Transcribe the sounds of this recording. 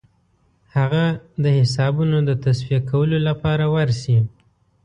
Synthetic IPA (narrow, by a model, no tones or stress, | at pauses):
haɣad̪əhɪs̬ɑbunod̪ət̪aswiakʰawəlolapɑɾawaɾsi